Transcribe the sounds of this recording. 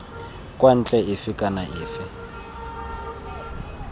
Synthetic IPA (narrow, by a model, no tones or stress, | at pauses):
kʼwan̩t͡ɬʼɛɪfɪkʼanaʔɪːfɪ